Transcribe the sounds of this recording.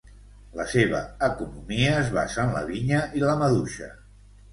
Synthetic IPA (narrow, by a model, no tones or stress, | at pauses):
ləseβ̞ə̰əkunumiəːzβa̰səːnlə̰βiɲəiləməðuʃə̰